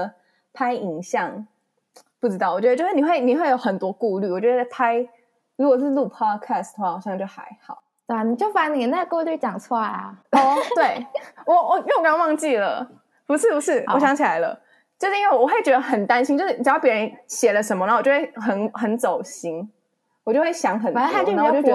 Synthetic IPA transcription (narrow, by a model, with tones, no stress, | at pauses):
pʰa˥ɪi˨˩ŋɕjɑ˥˩ŋ | pu˥˩ʈ͡ʂɻ̩˥t̪ɑ˥˩ʊɔ˨˩ɥɛ˧˥ə˧t͡ɕʊɻ̩˥˩ni˩xwe˥˩ɪni˨˩xwe˥˩ɪjo˧˥ʊxə˨˩nt̪wɔ˥ku˥˧ly˥˩wɔ˨˩t͡ɕɥɛ˧˥ə˧˩pʰa˥ɪ | ɻu˧˥˨lu˥˩pʰɑ˥dkʰa˥˩sd̪ə˨˩xwa˥˩ɑ˨˩ʊjɑ˥˧ŋt͡ɕjo˥˩ʊxa̰˧˥ɪxɑ̰˨˩˦ʊt̪e˥˩˧ni˨˩t͡ɕjo˥˩ʊfa˥˩˥ni˨˧˥na˥˩ɪkɤ˥˧t̪wt͡ɕjɑ˨˩ŋt͡sʰwɔ˥˩ɐ̰˩ɔ˥˩t̪we˥˩ɪwɔ˨˦ɔ˨˦jkɑ˥nwɑ˥˧ŋt͡ɕi˥˩lə̰˩ | pu˧˥ʂɻ̩˥˩pu˧˥ʂɻ̩˥˩˨ɔ˨˩ɕjɑ˧˥ŋt͡ɕʰi˨˩la˧˥ɪlə̰˧ | t͡ɕjo˥˧ʂɻ̩˥i˥we˥˩wɔ˨˩xwe˥˩ɪt͡ɕɥɛ˧˥d̪ə˧xə˨˩nt̪a˥nɕi˥ŋt͡ɕo˥˧ʊʂɻ̩˥˩˨pjɛ˧˥ɻə˧˦nɕjɛ˨˩lə˦ʂ̬ə˧˥nmə˧˥˨jo˥˧˥we˥˩ɪxə˧˥nxə˧˥nt͡so˨˩ʊɕi˥ŋ | wɔ˨˩t͡ɕjo˥˧xwe˥˩ɕjɑ˧˥ŋxə˨˩nʰ˧˥˧t͡ɕo˥˩ɛ˧˥